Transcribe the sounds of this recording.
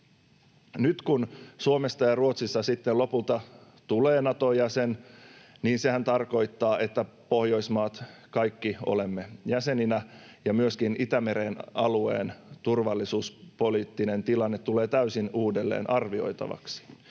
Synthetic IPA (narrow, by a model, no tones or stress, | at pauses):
nyt̪kunsuomest̪ɑjɑruot̪sisːɑsit̪ːello̞pult̪ɑ | t̪ule̞ːnɑt̪ojæsenniːnse̞hænt̪ɑrko̞jt̪ːɑːʔe̞t̪ːæ | po̞hjo̞ismɑːt̪kɑjkːio̰le̞mːe̞jæse̞ninæ | jɑmyøskinit̪æme̞ɾenɑluḛːnt̪urʋɑlːisuːspoliːt̪ːine̞nt̪ilɑnːet̪ːule̞ːt̪æysinuːde̞lːḛːnʔɑrʋio̞̰jt̪ɑ̰ʋɑ̰ksi̥